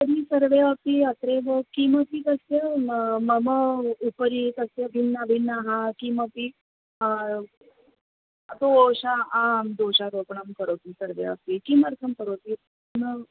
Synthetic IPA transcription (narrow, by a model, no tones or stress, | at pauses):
t̪əd̪isəɾʋeapiət̪ɾeʋokiməpik̪əsjəməməupɾik̪əsjəbʱinːabʱinːaɦakiməpi | t̪oɕaãd̪oɕaɾokɳəmkəɾot̪iːsəɾʋḛʋa̰pikiməɾk̪ʰəmkəɾot̪i | mə